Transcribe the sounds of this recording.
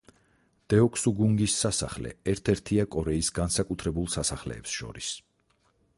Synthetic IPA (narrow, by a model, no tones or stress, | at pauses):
d̪̥ɛɔkʰsuɡuŋɡisːasa̰χlɛ̰ɛɾt̪ʰɛɾt̪ʰiakʼɔɾɛisɡansakʼut̪ʰɾɛbulˠsasaχlɛ̰ːpsʃɔ̰ɾis